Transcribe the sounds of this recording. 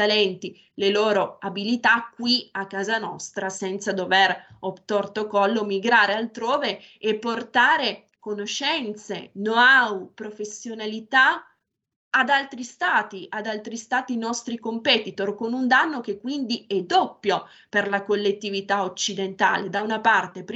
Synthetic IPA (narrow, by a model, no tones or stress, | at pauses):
t̪alɛnt̪i | leloːɾoabilit̪akːwiakːaːzanɔ̰st̪ɾasɛnt̪sad̪overot̪ort̪okɔlːomiɡɾaːɾealt̪ɾoːve | epːort̪aːɾe | konoʃɛnt̪sḛnoawupɾofesːjonalit̪a | ad̪alt̪ɾist̪aːt̪iʔad̪alt̪ɾist̪aːt̪inɔst̪ɾikompɛt̪it̪orkonund̪anːok̟ekːwind̪iɛd̪opːjo | perlakolːet̪ːivit̪aot͡ʃːid̪ent̪a̰ːled̪awunapart̪epɾ